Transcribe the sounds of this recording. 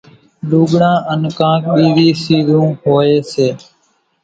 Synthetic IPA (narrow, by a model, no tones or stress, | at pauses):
luːɠɳãːʔənkãːk̚ɓiːʋiːsiːzũːhoːeːseː